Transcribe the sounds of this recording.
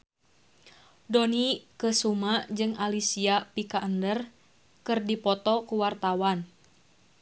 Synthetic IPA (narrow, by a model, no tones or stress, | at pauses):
dɔnikəsumad͡ʒɨŋalisiapikaʔəndər | kɨrdipɔt̪ɔkuwart̪awan